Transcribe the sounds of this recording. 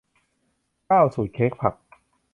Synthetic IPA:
kaː˥˩wsuː˨˩t̪̚kʰeː˦˥k̚pʰa˨˩k̚

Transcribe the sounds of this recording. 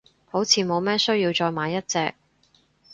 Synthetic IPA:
ho˨˥wt͡sʰiː˨˧mo˨˧wmɛː˥sɵ˥ɥjiː˧wt͡sɔː˧jmaː˨˧jɐ˥t̚t͡sɛː˧k̚

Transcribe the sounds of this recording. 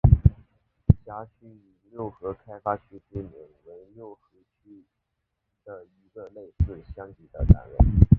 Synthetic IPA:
ɕja˧˥t͡ɕʰy˥˩y˨˩ljo˥˩ʊxɤ˧˥kʰa˥ɪfa˥t͡ɕʰy˥ʈ͡ʂi˥˩mḭ˨˩nwe˧˥ɪljo˥˩ʊxɤ˧˥t͡ɕʰy˥ | d̪̥ə˧i˧˥ɡə˧le˥˧ɪsɹ̩˥˩ɕjɑ˥ŋt̪i˨˩d̪ə̰˦na̰˧˥nɻə̰˧˥˦n

